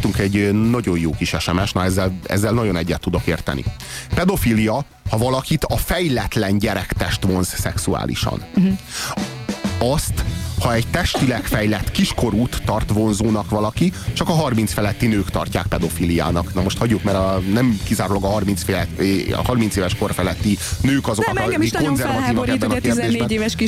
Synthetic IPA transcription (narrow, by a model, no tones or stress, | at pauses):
t̪uŋkɛɟːnɒɟo̞jjoːkiʃɛʃɛmɛʃnɒɛzːɛlɛ̰zːɛlnɒɟo̞nɛɟːɛt̪ːud̪o̞kḛːrt̪ɛ̰nḭ | pɛd̪o̞filijɒ | hɒvɒlɒkit̪ɒfɛjlɛt̪lɛnɟɛɾɛkt̪ɛʃt̪ʋo̞nzsɛksua̰ːlḭʃɒ̰n | ɒst̪hɒɛɟt̪ɛʃt̪ilɛkfɛjlɛt̪ːkiʃko̞ɾuːt̪ːɒrt̪ʋo̞nzoːnɒkʋɒlɒkit͡ʃɒkɒɦɒrmint̪sfɛlɛt̪ːinøːkt̪ɒ̰rcaːk̚pɛd̪o̞fiːlija̰ːnɒknɒmoʃt̪hɒɟːukmɛɾɒnɛmkizaːɾulɒɡɒɦɒrmint̪sfelɛɒ̰hɒrmint̪seːvɛʃko̞rfɛlɛt̪ːinøːkɒzoknɒikonzɛrvɒt̪iːvɒɛbːɛnɒkeːrdd̪eːʒbɛnevʃ